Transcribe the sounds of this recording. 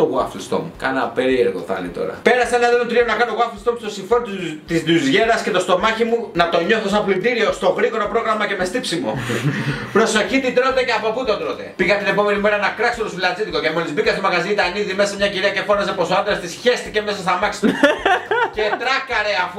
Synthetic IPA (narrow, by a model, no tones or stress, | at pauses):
oɣuɐ̰flist̪o̰mukɐ̰nɐ̰pe̞ɾie̞ɾɣo̰θɐ̰lḭt̪o̞̰ɾɐ̰pe̞ɾɐseenɐðelot̪ɾionɐkɐnoɣuɐflist̪omust̪osiɱfe̞ɾot̪t̪izðuzʝe̞ɾɐsce̞t̪o̞st̪o̞mɐçimunɐt̪o̞ɲo̞θo̞s̬ɐplid̪iɾiost̪o̞ɣɾiɣo̞ɾo̞pɾo̞ɣɾɐmɐce̞mest̪ipsimo̞̰ | pɾo̞so̞çit̪id̪ɾot̪eceɐpoput̪od̪ɾot̪e̞̰piɣɐt̪ine̞po̞me̞nime̞ɾɐnɐkɾɐksolusfilɐd͡zit̪iko̞cemolizbikɐst̪omɐɣɐziit̪ɐniðimesɐmɲɐciɾeɐce̞fo̞nɐsepo̞sɐnd̪ɾɐst̪isçest̪ice̞me̞sɐst̪ɐmɐksi | cet̪ɾɐkɐɾeafu